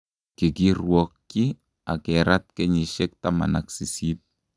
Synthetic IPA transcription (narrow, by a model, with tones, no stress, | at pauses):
kɪ˨ki˦ɾwɔ˨kːi˦ | a̰˨kɛɾa˦t̪̚kɛ˦ɲi˨ʃɛ˦k̚ta˦ma̰˨naksi˨si˦p̚